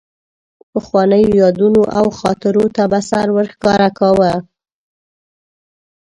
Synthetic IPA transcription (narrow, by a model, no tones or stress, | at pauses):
pəxwɑnəjojɑd̪unoʔawxɑt̪ɪɾot̪abasaɾwəɾxkɑɾakawə